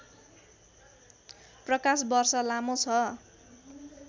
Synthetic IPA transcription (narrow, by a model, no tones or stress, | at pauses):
prʌkasbʌrsʌlamot͡sʰʌ